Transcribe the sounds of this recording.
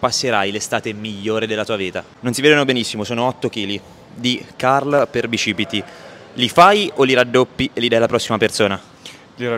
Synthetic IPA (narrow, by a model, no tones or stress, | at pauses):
pasːeɾajlest̪aːt̪emiʎːoːɾed̪elːat̪uːaviːt̪a | nonsiveːd̪onobenisːimosoːnoɔt̪ːok̟iːli | d̪ikarlperbit͡ʃiːbit̪ilifajoliɾad̪ːopːiʔelːid̪ajlapɾɔsːimapersoːna | li